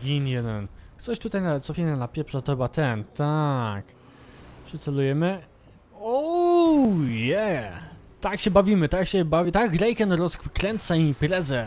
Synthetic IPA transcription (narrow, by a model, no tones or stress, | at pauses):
ɡʲinjɛnnt̪sɔɕt̪ut̪ajnat̪sɔfʲinanapʲjɛpʂɛt̪ɔxɛbat̪ɛnt̪ak | pʂɘt̪sɛlujɛmɘ | o | jɛ | t̪akɕɛbavʲimɘt̪akɕɛbavʲit̪akɾɛjkɛnɾɔskɾɛnt̪saimpɾɛzɛ